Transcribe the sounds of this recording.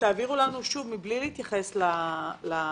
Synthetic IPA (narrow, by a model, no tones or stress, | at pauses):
t̪aːviʁulanuʃuvmiblileit̪jaχe̞slala